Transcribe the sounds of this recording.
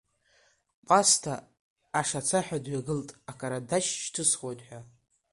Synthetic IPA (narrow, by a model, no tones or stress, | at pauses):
qʼastʰaː | ʂat͡sʰaħᶣadɥaɡɨltʼakʼaɾadaʃʃtʰɨsχo̞jtʼħʷᶣa